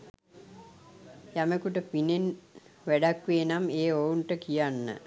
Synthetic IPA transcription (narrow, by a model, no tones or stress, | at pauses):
jæməkuʈəpinenʋæɖakʋeːnameːounʈəkijanːə̰